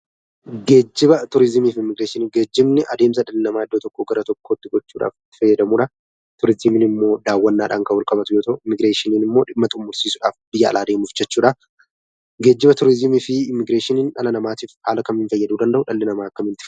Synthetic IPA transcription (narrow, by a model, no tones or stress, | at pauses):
ɡe̞ːd͡ʒːɪbɐt̪ʊɾɪzɪmiːfɪmːɪɡɾeːʃɪniɡe̞ːd͡ʒːɪbnɪʔɐd̪e̞ːms̬ɐᶑɐlːɪnɐmaːɪd̪ːoːt̪ɔkːoːɡɐɾɐt̪ɔkːo̞ːt̪ːɪɡɔt͡ʃːuːᶑa̰ːfɪt̪ːɪ̥fɐjːɐd̪ɐmuːᶑaː | t̪ʊɾɪzɪmɪnɪmːo̞ːd̪aːwːɐnːaːᶑa̰ːŋkɐwɐlkʼɐbɐt̪ʊjoːt̪ɐʔʊɪmːɪɡɾeːʃɪniːnɪmːo̞ːᶑɪmːɐt̪ʊmːʊɾsiːsʊᶑa̰ːfb̥ɪjːɐɐ̰lʔaːd̪eːmʊfd͡ʒɛt͡ʃːuːᶑa | ɡe̞ːd͡ʒːɪbɐt̪ʊɾɪzɪmiːfɪɪmːɪɡɾeːʃɪniːnᶑɐ̰lɐnɐmaːt̪iːfhaːlɐkɐmɪɱfɐjːɐd̪uːd̪ɐnd̪ɐhʊᶑɐlːɪnɐmaːɐkːɐmɪnt̪ɪ̥